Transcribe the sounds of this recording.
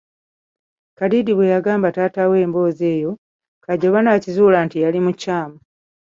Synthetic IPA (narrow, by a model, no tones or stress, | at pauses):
kadidiβwe̞jaɡaːmbatatawe̞ːmbo̞ːze̞ːjo̞ | kaɟoβanaːcizuːlantijalimucːaːma